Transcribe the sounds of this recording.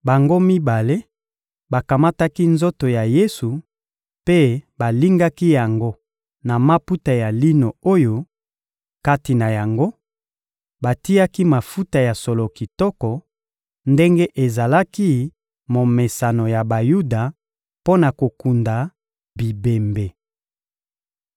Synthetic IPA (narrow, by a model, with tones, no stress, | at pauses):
ba˨ŋɡo˦mi˦ba˨le˦ | ba˨ka˨ma˦ta˦ki˦nzo˦to˨ja˨je˦su˨ | pe˦ba˨li˦ŋɡa˦ki˦ja˨ŋɡo˦ | na˨ma˦pu˦ta˨ja˨li˦no˨o˦jo˦ | ka˦ti˨na˨ja˨ŋɡo˦ | ba˨ti˦ja˦ki˦ma˨fu˦ta˨ja˨sɔ˨lo˨ki˨tɔ˦kɔ˨ | nde˦ŋɡe˦ʔe˨za˨la˦ki˦ | mo˨me˨sa˨nɔ˨ja˨ba˨ju˦da˨ | po˦na˨ko˨ku˨nda˨ | bi˨be˨mbe˨